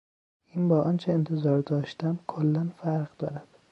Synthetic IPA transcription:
ʔiːnbɒːʔɒnt͡ʃʰeent̪ʰezɒːɾd̪ɒːʃt̪æmkʰolːænfæɾʁd̪ɒːɾæd̪̥

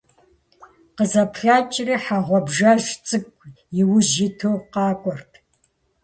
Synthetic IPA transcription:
qəzɐpʰɬaːt͡ʃʼriħaʁʷɔbʒaʒt͡sʼɨkʷʼjɪwʊʒɪtʰowqɑːkʷʼɔrtʰ

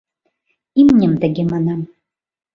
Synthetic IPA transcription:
imnʲɘmt̪ɘ̆ɡʲemɑnɑm

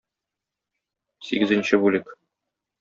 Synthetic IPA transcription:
siɡɘ̆zɘ̆nʲɕɘbʉlɘk

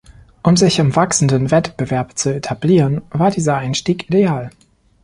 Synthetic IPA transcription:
ʔʊmzɪçɪmvaksn̩dənvɛtb̥əvɛɐpt͡suetʰabliːʁənvaːɐdiːzɐʔaɪnʃtiːkʔideaːl

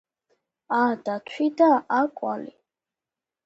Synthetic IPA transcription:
ad̪̥at̪ʰwid̪aakʼwa̰lḭ

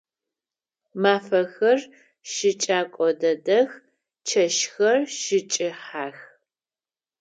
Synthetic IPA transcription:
maːfɐxɐr | ʃɪt͡ʃʼaːkʷʼɔdɐdɐx | t͡ʃʰɐʃxɐrʃɪt͡ʃʼɪħaːx

